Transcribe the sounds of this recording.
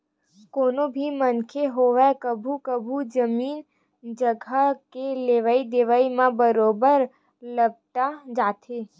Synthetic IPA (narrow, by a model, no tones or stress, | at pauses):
koːnobʱimənkʰeɦoːʋɛkəbʱukəbʱud͡ʒəmiːn | d͡ʒəɡʱəkeleːʋəid̪eːʋəimãbəɾoːbəɾ | ləb̚t̪ad͡ʒaːt̪eː